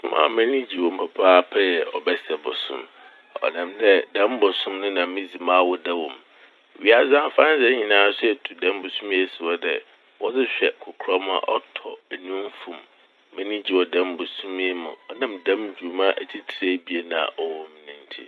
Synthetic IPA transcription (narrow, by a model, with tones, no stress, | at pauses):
mã̰˨mɛ̃˦nĩ˦d͡ʑi˨wɔ˨m̩˦˨pʰa˨pʰaː˦pʰɛ˦jɛ˨ʔɔ˨bɛ˦sɛ˨bʊ̰˨sʊ̰̃˦m˨ | ɔ̰˨nã˨mdɛ˦dɛ̃˦m˦bʊ˨sʊ̃˦mnʊ̃˦nã˨˦mĩ˦d͡zi˨mã˦˨wɔ˨dɛ˦wɔ̃˨m˨ | ɥi˦a˦zã˦fã˦n˦sɛ˦ɲĩ˨nãː˨˦sʊ˦ɛ˨tʰu˨dɛ̃˦m˦bʊ˨sũ˦m˦ɛ˦˨sɪ˨wɔ˦dɛ˨ | wɔ˦d͡zɪ˦ɕᶣɛ˨kʰʊ˨kʰɾɔ˦m˦a̰˨ʔɔ̰˦tʰɔ˨ɛ˨nũ˦m˦fũ˨m | mɛ̃˦nĩ˦d͡ʑi˨wɔ˨dɛ̃˦m˦bʊ˨sũ˦m˦e˦mʊ̰̃˨ɔ˦nã˦mdã˦md͡ʑᶣu˨mã˦ʔæ˨tʰi˦tʰɾe˦bi˨e˦nã̰˨ʔɔ˨wɔ̃˦m˨nĩ˨n˦tʰḭ˦